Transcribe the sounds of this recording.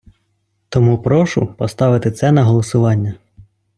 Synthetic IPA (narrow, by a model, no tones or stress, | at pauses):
t̪ɔmupɾɔʃʊ̰pɔst̪ɑʋɪt̪ɪt̪sɛnɐɦɔlˠɔsʊʋɑnʲːɐ